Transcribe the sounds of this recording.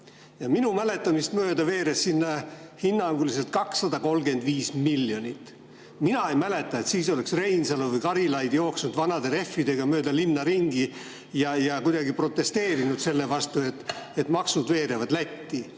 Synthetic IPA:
jɑminumæle̞t̪ːˑɑmist̪møːd̪ɑve̞ːɾe̞sːinːɑhinːɑŋɡulise̞lt̪̚kɑksːɑd̪̥ɑko̞lɡe̞nd̪̥viːsmilːjo̞nʲit̪ːˑ | minɑejmæle̞t̪ːˑɑet̪siːso̞le̞ksre̞jnsɑlovɨjkɑɾilɑjd̪ijo̞ːksnud̪̥vɑnɑd̪e̞ɾe̞fːid̪e̞ɡ̥ɑmø̞ːd̪̥ɑlinːɑɾiŋɡi | jɑjɑkujd̪̥ɑɡipro̞t̪ːˑe̞st̪e̞ːɾinud̪̥se̞lːe̞vɑst̪ue̞t̪ːˑe̞t̪ːˑmɑksud̪ve̞ːɾe̞vɑd̪læt̪ʲːi

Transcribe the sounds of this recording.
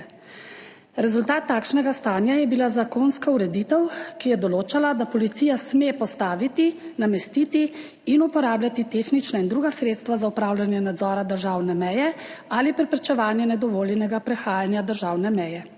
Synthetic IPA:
ɾɛzult̪aːt̪ːaːkʃnɛɡast̪aːnjajɛbilazakonskauɾɛd̪iːt̪ɛwkijɛd̪ɔloːt͡ʃalad̪apɔlit̪siːjasmepɔst̪aːʋit̪inamɛst̪iːt̪i | inupɔɾaːblʲjat̪it̪eːxnit͡ʃnaind̪ɾuːɡasɾeːt̪st̪ʋazaupɾaːwlʲjanjɛnad̪zɔːɾad̪əɾʒaːwnɛmɛjɛalipɾɛpɾɛt͡ʃɛʋaːnjɛnɛd̪ɔʋoːljɛnɛɡapɾɛxaːjanjad̪əɾʒaːwnɛmɛjɛ

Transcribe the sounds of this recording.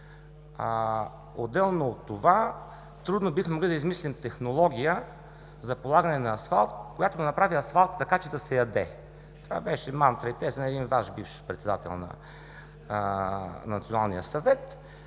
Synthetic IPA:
o̰d̪ːɛlˠnoːt̪ːova | t̪ɾud̪nobixmɛmoɡlid̪ɐizmislimt̪ɛxnolˠɔɡʲijə | zɐpolˠaɡɐnɛnɐːsfalˠt̪kojat̪od̪ɐnɐpɾaviɐsfalˠt̪t̪ːɐkat͡ʃɛd̪ɐsɛjɐd̪ɛ | t̪ova̰bɛʃɛmant̪ɾɐit̪ɛsnɛd̪invaʃbifʃpɾɛt̪sɛd̪at̪ɛ̰lˠnɐ̰ | nɐt̪sionalˠnijəsɐvɛt̪

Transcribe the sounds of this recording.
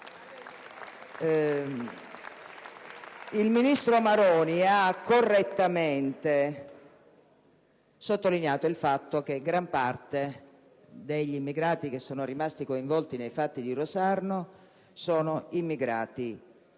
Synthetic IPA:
ilminist̪ɾomaɾɔːniakːorːet̪ːament̪e | sot̪ːolinjaːt̪oilfat̪ːok̟eɡɾampart̪e | d̪eʎːimːiɡɾaːt̪ik̟esːɔːnoɾimast̪ikoiɱvɔlt̪inejfat̪ːid̪irosarno | sɔːnoimːiɡɾa̰ːt̪i

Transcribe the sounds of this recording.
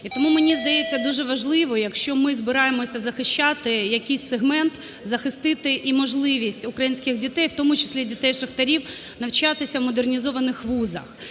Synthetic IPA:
it̪ɔmumenʲizd̪ɐjet͡sʲːɐd̪uʒɛʋɐʒlˠɪʋɔjɐkʃt͡ʃɔmɪzbɪɾɑjemɔsʲɐzɐxɪʃt͡ʃːat̪ɪjɐkʲɪjsʲseɦmɛnt̪ | zɐxɪst̪ɪt̪ɪʔimɔʒlˠɪʋʲisʲtʲʊkɾɐjinʲsʲkʲɪxdʲit̪ɛjwt̪ɔmʊt͡ʃɪ̥sʲlʲidʲit̪ɛjʃɐxt̪ɐɾʲiwnɐwt͡ʃat̪ɪsʲɐʋmɔd̪ernʲizɔʋɐnɪxʋuzɐ̰x

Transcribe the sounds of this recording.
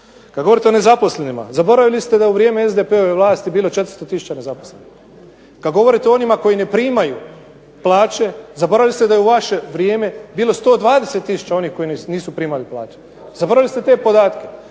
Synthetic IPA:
kad̪ɡo̞ʋɾit̪eone̞zapo̞sle̞nima̰zabo̞ɾaʋilist̪ed̪ajeuʋɾjeːmeezd̪epe̞oʋe̞ʋlˠaːst̪ibiːlo̞t͡ʃe̞t̪ɾst̪ot̪isu̥t͡ɕane̞zaposlenix | kad̪ɡo̞ʋo̞ɾit̪eo̞nimako̞jine̞pɾiːmaju | plaːt͡ʃe̞zabo̞ɾaʋilist̪ed̪ajeuʋaʃe̞ʋɾjeːme̞biːlo̞st̪o̞ːd̪ʋaːd̪ese̞t̪ːisu̥t͡ɕao̞nihko̞inniːsupɾiːmaliplˠa̰ːt͡ʃe̥ | zabo̞ɾaʋʲilist̪e̞t̪e̞ːpo̞d̪aːt̪ke̞

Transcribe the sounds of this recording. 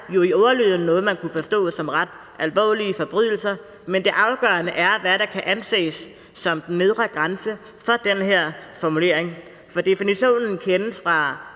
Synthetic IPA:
jo̝iɒʊɐlø̰ːðˠn̩nːɔ̽ːð̩ˠmænkʰufɒ̽sd̥ɔ̰ːsɒ̽mʁad̥ | ʔælʋɒ̰ːliəfɒb̥ʁyð̞̰ˠl̩sɐ | mend̥e̝ʔɑ̈ʊɡ̥ɶɐnəʔæɐʋæɾ̥ɑ̈kʰæʔænse̝̰ːsː | ɒ̽md̥nːe̝ð̞ˠʁɑɡ̥ʁansə | fɒ̽d̥enɦeɐ̰fɒmule̝ɐ̰eŋ | fɒ̽d̥e̝finiɕo̝̰ːnn̩kʰenəsfʁɑ̈

